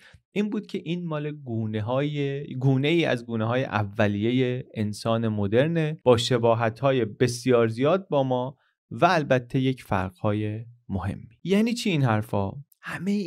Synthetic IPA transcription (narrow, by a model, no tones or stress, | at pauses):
ʔiːnbuːd̪̥̚cʰe̞ʔiːnmɒːleɡuːneɦːjeɡuːne̞iːæ̰zɡuːneɦɒːje̞̰ʔævːæliːje̞jeensɒːne̞mod̪e̞ɾneb̥ɒːʃe̞bɒːɦæt̪hɒːje̞be̞sjɒːɾzijɒːd̪̚bɒːmɒː | væːlbæt̪ʰːe̞je̞cʰfæ̰ɾɡ̥hɒːje̞mohe̞̰mːi̥jæːniːt͡ʃʰiiːnhæɾfɒ̰ː | hæme